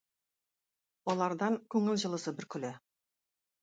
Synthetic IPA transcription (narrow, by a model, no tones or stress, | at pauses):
wolˠɑɾd̪ɑŋkʲʰɵŋɪlʒə̆lˠəsəbɪɾkʲʰʏlɘ